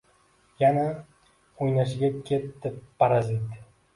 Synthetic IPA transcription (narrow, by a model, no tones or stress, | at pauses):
jana | ojnaʃɪɡʲakʲʰet̪d̪ɪpʰaɾazit̪